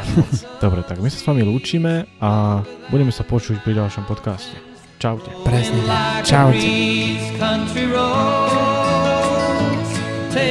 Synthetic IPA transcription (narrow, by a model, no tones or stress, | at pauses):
d̪̥ɔbɾɛt̪aɡmisḁsʋamiluːt͡ʃiːmɛabuɟɛmɛsapɔt͡ʃucpɾiɟalˠʃɔmpɔt̪kascɛ | t͡ʃaʊcɛpɾɛzɲɛt͡ʃawɛzkʰʌ̃nt͡ʃɹiɹo | tʰ